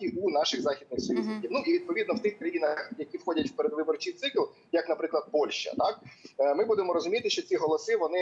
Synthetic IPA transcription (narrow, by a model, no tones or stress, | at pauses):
iunɑʃɪxzɑxʲid̪nɪxsɔjuznɪkʲiwnuʔiʋʲid̪̚pɔʋʲid̪nɔwt̪ɪxkɾɐjinɐxjɐkʲiwxɔdʲɐtʲwpeɾed̪ʋɪbɔrt͡ʃijt̪sɪklˠ | jɐknɐpɾɪklˠɐd̪̚pɔlʲʃt͡ʃɐ̰t̪ɑk̚mɪbud̪emɔɾɔzʊmʲit̪ɪʃt͡ʃɔt͡sʲiɦɔlˠɔsɪʋɔnɪ